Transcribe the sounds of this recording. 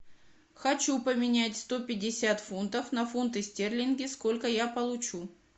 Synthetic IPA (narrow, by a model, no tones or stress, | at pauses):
xɐt͡ɕupəmʲɪnʲætʲst̪o̞pʲɪdʲɪsʲat̪funt̪əfnɐfunt̪ɨsʲtʲerlʲɪnɡʲɪsko̞lʲkəjapəlˠʊt͡ɕu